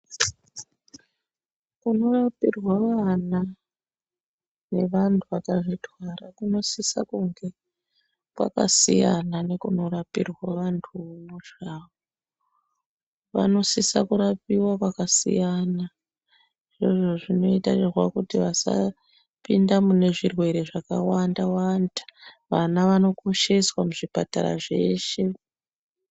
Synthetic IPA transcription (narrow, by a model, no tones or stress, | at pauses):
kuno̞rapirwaʋana | ne̞ʋantʰuakaʐitwarakuno̞sisa̰kuŋɡe | kwa̰ka̰sijanane̞kuno̞rapirwaʋantʰumuʐaːβo | ʋa̰no̞sisakuɾapiwakwakasḭjana | ʐeʐo̞ʐino̞itairwakutiʋasa̰ | pindamune̞ʐirwe̞ɾe̞ʐakawandawandḁ | ʋanaʋano̞koʃeswamuʐipata̰ɾa̰ʐe̞ːʃe̞